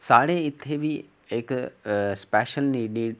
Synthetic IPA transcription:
saːɽeɪt̪ʰːebi | eːkspɛːʃəlniːniː

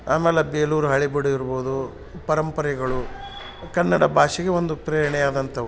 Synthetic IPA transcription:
aːmɛːlebeːluːɾuɦɐɭibiɽuiɾboːd̪u | pɐɾɐmpɐɾɛɡɐɭu | kɐnːɐɽɐbʱaːʂiɡeʋond̪upɾeːɾɳɛjaːd̪ɐnt̪ɐ

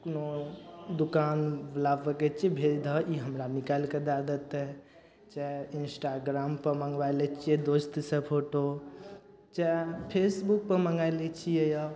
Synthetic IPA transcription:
kunod̪ukanʋlabəket͡ʃʰibʱeɾd̪ʱəʔiɦəmɾanikalked̪ad̪ət̪ɛ | t͡ʃainsʈaɡɾaːmpəɾməŋɡʋajlɛt͡ʃʰied̪ost̪sə̃pʰoʈo | t͡ʃapʰesbuk̚pəɾməŋɡajlet͡ʃʰiejə

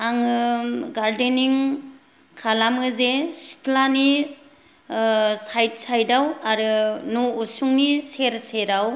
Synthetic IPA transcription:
aŋɯɡaɾdeniŋ | kʰalamɯzesi̥tʰlani | sajt̚sajdawaɾɯnoːsuŋniseɾseɾaw

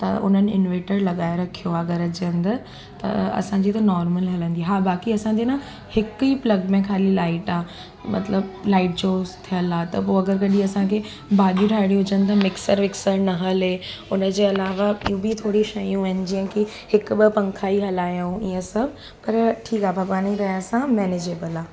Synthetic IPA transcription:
t̪ɐ̰ʊ̰n̤ənɪ̆ɪ̰nʋeːʈəɾlɐɠaːɪɾɐkʰijoɐɡəɾɐd͡ʑənd̪ | t̪ɐ̰ɐ̰sãːɲd͡ʑit̪ɐnɔːɾməlɦɐlə̃nd̪ieɦaːbaːkiɐsãɲd͡ʑenã | hɪkiplɐɡmẽkʰaːlilaːɪʈaː | mɐ̰t̪ləblaːɪʈ̚d͡ʑoːzt̪ʰijəlaːt̪ɐpoːɐɡəɾkɐɗĩɐsãkʰe | baːɗũʈʰaːɪɽ̃ĩɦʊd͡ʑənd̪t̪amɪksəɾmɪksəɾnɐɦɐlɦeːʊnəd͡ʑeːɐlaːʋaijũbit̪ʰoːɽiʃɐjũaɦɪnɪ̆d͡ʑiːə̃ki | hɪkʊɓɪpɐ̃ŋkʰaːiɦɐlaːjaũiːə̃sɐbʱ | pɐɾʈʰiːkaːbʱɐɡaːniɾɐɦjaːsãmɛːned͡ʑeːbəlaː

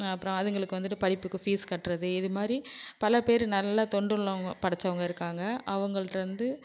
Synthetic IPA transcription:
ɐpːɯɾõɐðɐŋɡɐɭɯkːɯʋɐnd̪ɯʈːɯpɐɽɪpːɯkːɯfiːskɐʈːɾɐðɯɪðɯmaːd̪ɾipɐlɐpeːɾɯnɐlːat̪ɔɳɖɯɭːɐ̃ɐpɐɽɐt͡ʃːɐʋɐŋɡɐɪɾɯkːaːŋɡɐʔɐʋɐŋɡɐɭɯʈːʋɐnd̪ɯ

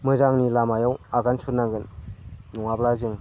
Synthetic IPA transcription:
mɯzaŋnilamajawaɡansut̚naɡɯnː | uŋablazɯŋ

